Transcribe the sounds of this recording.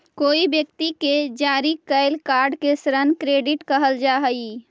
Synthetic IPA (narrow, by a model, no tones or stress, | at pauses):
koibjək̚t̪iked͡ʒaɾikəɪlkaɾɖkesɾənkɾeɖiʈkəɦəld͡ʒaɦə